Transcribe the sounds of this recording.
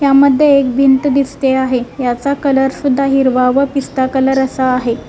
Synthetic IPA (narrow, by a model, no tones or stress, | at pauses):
ɦjaməd̪ʱːjeːk̚bʱint̪d̪ist̪eaɦejat͡sakələɾsud̪ʱːaɦiɾʋaʋəpist̪akələɾəsaːɦe